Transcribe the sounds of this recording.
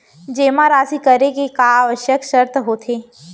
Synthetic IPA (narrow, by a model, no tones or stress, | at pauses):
d͡ʒeːmãɾaːsikəɾekekaːʋəʃjəkʃəɾt̪ɦoːt̪ʰeː